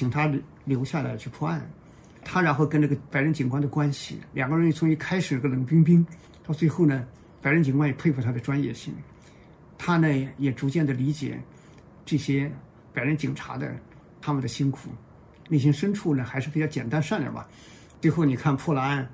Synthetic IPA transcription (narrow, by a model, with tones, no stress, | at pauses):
t͡ɕʰi˨˩ŋt̪ʰa˥ | ljo˧˥ʊɕja˥˩la̰˧˥ɪt͡ɕʰy˥˧pʰwɔ˥˧a̰˥˩n | t̪ʰa˥ɻa˧˥nxo˥˩ʊkə˥na˥˩ɡə˩pa˧˥ɪɻə˧˥nt͡ɕi˨˩ŋkwa˥ndə˨kwa˥nɕḭ˨˩ljɑ˨˩ŋɡə˧ɻni˥˩t͡sʰʊ˧˥ŋi˥˩kʰa˥ɪʂɻ̩˨˩˥ə˧lə˧˥ŋpi˥ŋp̬i˥ŋ | t̪ɑ˥˧ʊt͡swe˥˧ɪxo˥˩ʊnə˩ | pa˨˧˩ɪɻə˥nt͡ɕi˨˩ŋkwa˥njɛ˨˩pʰe˥˧ɪfʰu˥˩t̪ʰa˥d̪ə˨ʈ͡ʂwa˥njɛ̰˥˧ɕḭ˥˩ŋ | t̪ʰa˥nə˨jɛ˨˩ʈ͡ʂu˧˥t͡ɕjɛ˥˩nd̪ə˩li˧˥t͡ɕjɛ̰˨˩˦ | ʈ͡ʂɤ˥˩ɕjɛ˥ | pa˨˩ɪɻə˧˥nt͡ɕi˨˩ŋʈ͡ʂʰa̰˧˥d̪ə̰˧ | t̪ʰa˥mə˨nd̪ə˩ɕi˥ŋkʰṵ˨˩˦ | ni˥˩ɕ̬i˧˥ŋʂə˥nʈ͡ʂʰu˥˩nə˩xa˧˥ʂɻ̩˥˩pi˨˩t͡ɕjɑ˥ʊt͡ɕjɛ̰˨˩nt̪a˥nʂa˥˩nla̰˨˩bɐ̰˨˩ | t͡swe˥˧ɪxo˥˩ʊni˨˩kʰa˥˧npʰwɔ˥˩la˧˥a˥˧n